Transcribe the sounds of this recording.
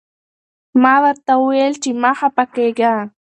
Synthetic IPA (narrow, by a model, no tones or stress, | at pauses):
maðaɾt̪awelt͡ʃimahapakeɡa